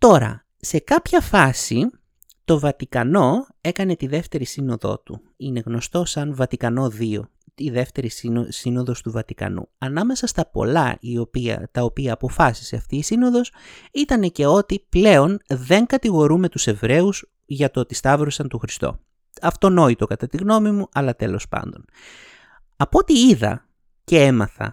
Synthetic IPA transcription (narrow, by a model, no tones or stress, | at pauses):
t̪o̞ɾɐ̰ | se̞kɐpçɐfɐsi | t̪o̞vɐt̪ikɐno̞ | e̞kɐne̞t̪iðe̞ft̪e̞ɾisino̞ðo̞̰t̪u | ine̞ɣno̞st̪o̞sɐnvɐt̪ikɐno̞ðio̞̰ | t̪iðe̞ft̪e̞ɾisisino̞ðo̞st̪uvɐt̪ikɐ̰nṵɐnɐme̞sɐst̪ɐpo̞̰lɐ̰io̞piɐ̰t̪ɐopiɐːpo̞fɐsi̥se̞ɐft̪iːsino̞ðo̞sit̪ɐne̞ce̞o̞t̪iple̞o̞nðe̞ŋkɐt̪iɣo̞ɾumet̪use̞vɾe̞us | ʝɐt̪ot̪ist̪ɐvɾosɐnt̪oxɾist̪o̞̰ | ɐft̪o̞no̞it̪o̞kɐt̪ɐt̪iɣno̞mimuʔɐlɐt̪e̞lo̞spɐ̰nd̪o̞n | ɐpo̞t̪iiðɐ̰ | ce̞e̞mɐ̰θɐ̰